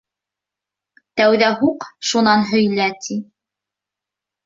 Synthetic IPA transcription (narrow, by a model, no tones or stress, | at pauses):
t̪æwðæɦuqʃunɑnɦɵ̆jlæt̪ʰi